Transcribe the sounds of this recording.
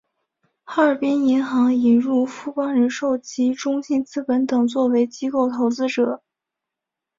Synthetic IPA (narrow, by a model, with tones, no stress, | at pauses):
xa˥ə˞˨˩pi˥ni˧˥nxɑ˧˥ŋi˨˩nɻu˥˩fu˥pɑ˥ŋɻə˧˥nʂo˥˩ʊt͡ɕi˧˥ʈ͡ʂʊ˥ŋɕi˥˩nt͡sɹ̩˥pə˧˥nt̪ɤ˨˩ŋt͡swɔ˥˩we˧˥ɪt͡ɕi˥ko˥˩ʊt̪ʰo˧˥ʊt͡sɹ̩˥ʈ͡ʂɤ˨˩˦